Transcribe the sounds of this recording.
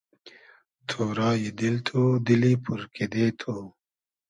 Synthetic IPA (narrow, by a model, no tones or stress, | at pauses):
t̪ʰoːɾaːjid̪ilt̪ʰud̪ilipuɾkid̪et̪ʰo